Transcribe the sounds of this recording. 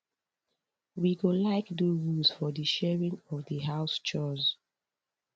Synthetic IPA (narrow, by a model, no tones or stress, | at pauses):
wiɡolaɪkduɹulz̥fɔðəʃɛɹĩŋɔvðəɦaʊst͡ʃɔz